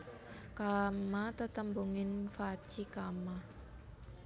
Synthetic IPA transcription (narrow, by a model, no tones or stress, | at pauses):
kamat̪ət̪əmbuŋɪnfat͡ʃikama